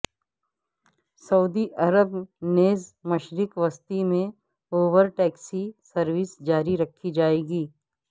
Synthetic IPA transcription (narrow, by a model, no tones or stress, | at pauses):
sɐud̪iʔɐɾəbneːzmɐʃɾɪkʋəst̪imẽ | oːʋəɾʈɛːksisɐɾʋɪsd͡ʒaːɾiɾɐkʰːid͡ʒaːeːɡiː